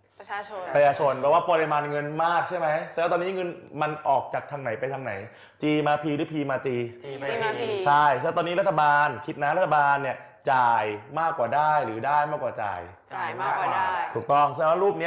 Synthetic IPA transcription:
ɾa˧jaː˧t͡ɕʰo˧npɛː˨˩waː˥˩pɔː˧li˧maː˧nŋɤ˧nmaː˥˩k̚t͡ɕʰa˥˩jma˦˥jst̪ɔː˧niː˦˥ŋɤ˧nma˧nʔɔː˨˩k̚t͡ɕaː˨˩k̚t̪ʰaː˧ŋna˩˦jpa˧jt̪ʰa˧ŋna˩˦j | t͡ɕiː˧maː˧pʰiː˧ɾɯː˨˦˥pʰiː˧maː˧t͡ɕiː˧ | t͡ɕʰa˥˩jsɛ˧˦˥t̪ɔː˧niː˦˥ɾa˦˥t̪ʰːa˧baː˧nkʰi˨˧˩t̪̚na˦˥ɾa˥t̪ʰːa˧baː˧nːi˥˩ɐ | t͡ɕaː˨˩jmaː˥˩kːwaː˨˩daː˥˩jɾɯː˩˦daː˥˩jmaː˥˩kwaː˨˩t͡ɕa̰ː˨˩j | t̪ʰuː˨˩k̚t̪ɔ˥˩ŋsa˧a˨˩wa˧˥ɾuː˥˩p̚ni˦˥

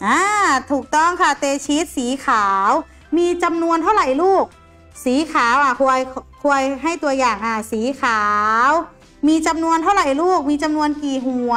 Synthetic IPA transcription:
ʔaː˧˩t̪ʰuː˨˩k̚t̪ɔ˥˩ŋkʰa˧˥˩t̪eː˧t͡ɕʰi˦˥t̪̚siː˩˦kʰaː˨˩˦w | miː˧t͡ɕa˧mnu˧ənt̪ʰa˥˩wɾa˨˩jluː˥˩k̚ | siː˨˩˦kʰaː˩˦wʔa˧˩kʰu˧ə˧jkʰu˧ə˧jɦa˥˩jt̪u˧ɐjaː˨˩ŋʔaː˧˩siː˨˩˦kʰaː˨˩˦w | miː˧t͡ɕa˧mnu˧ənt̪ʰa˥˩wɾa˨˩jluː˥˩k̚miː˧t͡ɕa˧mnu˧ənkiː˨˩ɦu˧˩

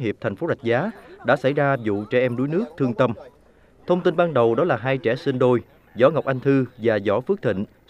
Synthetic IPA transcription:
ɦi˨˩əp̚t̪ʰɛ˨˩ŋ̟fo˨˦za˨˩jk̟̚zaː˨˦ɗa̰ː˧˥sa˧˩jzaː˧zṵ˧˨t͡ɕɛ˧˩ʔɛ˧mɗu˨˦jnɨ˦˥ək̚t̪ʰɨ˧əŋt̪ə˧m | t̪ʰə˧wŋ͡mt̪i˧nɓaː˧nɗə˨˩wɗɔ˨˦laː˨˩ɦaː˧jt͡ɕɛ˧˩si˧nɗo˧j | zɔ˨˦ŋa˨˩wk͡p̚ʔa˧jŋ̟t̪ʰɨ˧vaː˨˩zɔ˧˩fɨ˦˥ək̚t̪ʰḭ˧˨ŋ̟

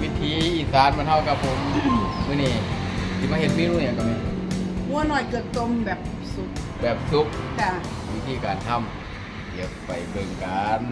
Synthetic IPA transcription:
wi˦˧˩t̪ʰiː˨˧˦ʔiː˨˩saː˨˦nbnhʰa˧˩wka˧˩pʰo˨˧˦mmɯː˧˨niː˧˩t̪ʰiː˧˩ma˧˥˨ɦe˧˩t̪̚miː˧˨nuː˧˩˨ɲa˧ŋkɔ˧˩mɛː˧˩˨mu˧˥ɐnɔ˨˩jkɤː˨˩t̪̚t̪o˧˥˨mbɛː˨˩p̚ | su˧˥k̚ | bɛː˨˩p̚su˧˥k̚ka˧˩ | wiː˦˧˩t̪ʰiː˧˩kaː˨˩nt̪ʰa˧˩˨m | ki˨˩ək̚pa˨˩jbɤ˧˩ŋkaː˨˦n

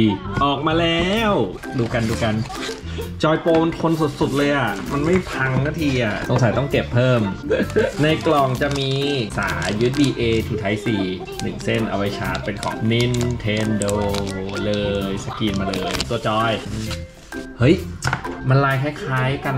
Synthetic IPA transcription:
ʔɔː˨˩k̚maː˧lɛː˦˥w | duː˧ka˧nduː˧ka˧n | t͡ɕɔː˧jpoː˧ma˧nt̪ʰo˧nsu˨˩t̪̚su˨˩t̪̚lɤː˧jʔa˨˩ma˧nma˥˩jpʰa˧ŋnaː˥˩t̪ʰiː˧ʔa˨˩ʔso˩˦ŋsa˨˦jt̪ɔ˥˩ŋke˨˩pʰːɤː˥˩m | na˧jklɔ˨˩ŋt͡ɕa˨˩ʔmiː˧saː˩˦jɯː˦˥diː˧ʔeː˧t̪ʰiː˨˩t̪ʰa˦˥jsiː˨˩ | nɯ˨˩ŋse˥˩nʔa̰˧wa˧jt͡ɕʰaː˦˥t̪̚pe˧nkʰɔ̰ː˨˩˦p̚ni˧˥˩nt̪ʰeː˧ndoː˧lɤː˧jsa˧kiː˧nmaː˧lɤː˧jt̪u˧ɐt͡ɕɔː˧j | hɤ˦˥jma˧nlaː˧jkʰaː˥˩jkʰaː˦˥jka˧n

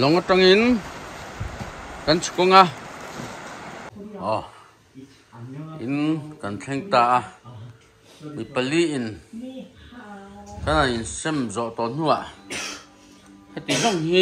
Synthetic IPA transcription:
lɔ˨ŋa˧ʈ͡ʂa˧ŋi˦n | ka˨nt͡sʰu̥˨kɔ˦ŋa˦ | ʔɔ˨ | ʔḭ˨nka˨nt͡ɬʰɛ˦ŋt̪aː˧ʔa˧ | mi˨pa˧˨li˦ʔi˨n | ka˦na˨i˨nsɛ˦mzɔ˨ʔt̪ɔ˨n̥u˦a˨ʔ | ha˦˨t̪i˨zɔ˦˨ŋhi˦

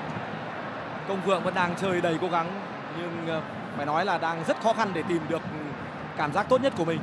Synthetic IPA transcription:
kə˧wŋ͡mɨ̰˧˨əŋvə̰˧˥nɗaː˧ŋt͡ɕəː˧˩jɗə˧˩jko˨˦ɣa˨˦ŋ | ɲɨ˧ŋ | faː˧˩jnɔ˨˦jlaː˨˩ɗaː˧ŋzə˦˥t̚xɔ˨˦xa˧nɗe˧˩t̪i˨˩mɗɨ˨˩ək̚ | kːaː˧˩mzaː˦˥k̚t̪o˦˥t̚ɲə˦˥t̚ku˧˩mï˨˩ŋ̟

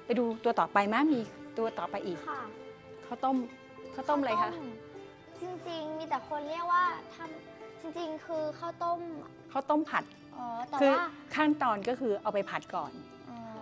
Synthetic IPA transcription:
pa˧jduː˧t̪u˧ɐt̪ɔː˨˩pa˧jmaː˥˩k̚miː˧t̪u˧ɐt̪ɔː˨˩pa˧jʔiː˨˩k̚ʰ | kʰa˥˩wt̪o˥˩˨m | kʰa˥˩wt̪o˥˨mʔa˧jkʰa˥˩ | t͡ɕi˧ŋt͡ɕi˧ŋmiː˧t̪ɛ˨˩kʰo˧nli˥˩ək̚waː˥˩t̪ʰa˥˩m | t͡ɕi˧ŋt͡ɕi˧ŋkʰɯː˧kʰa˥˩wt̪o˥˩˨m | kʰa˥˩wt̪o˥˩˨mpʰa˨˩t̪̚ | ʔɔː˨˧˦t̪ɛː˨˩ɯː˧˥˩kʰa˥˩ŋt̪ɔː˧nkɔː˥˩kʰɯː˧ʔa˧wpa˧jpʰa˨˩t̪̚kɔ̰ː˨˩n | ʔɔː˧

